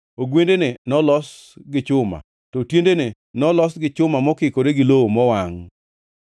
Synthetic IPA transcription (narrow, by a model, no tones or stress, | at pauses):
oɡwendenenɔlɔs | ɡɪt͡ʃʊma̰ | tɔtjendene | nɔlɔsɡɪt͡ʃʊmamɔkɪkoɾeɡɪlowomɔwaŋ